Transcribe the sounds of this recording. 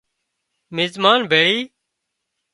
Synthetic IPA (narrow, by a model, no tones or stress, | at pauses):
mɪzmaːnbʱeːɭiː